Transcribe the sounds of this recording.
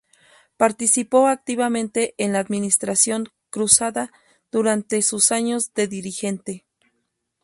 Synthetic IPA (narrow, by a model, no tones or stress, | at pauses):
paɾt̪isipo̞ak̚t̪iβamẽnt̪eʔenlaːd̪minist̪ɾasjo̞ŋ | kɾusaða | ð̥uɾant̪esusaɲo̞zd̪e̞ðiɾixe̞nt̪e